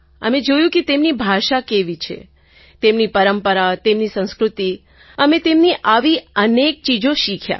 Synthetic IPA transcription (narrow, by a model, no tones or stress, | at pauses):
ə̰med͡ʒojũket̪emnibʱaʃakeʋit͡ʃʰḛ | t̪emnipəɾəmpəɾat̪emnisə̃w̃skɾut̪i | əmẽt̪emniʔaʋiənek̚t͡ʃid͡ʒoʃikʰja̰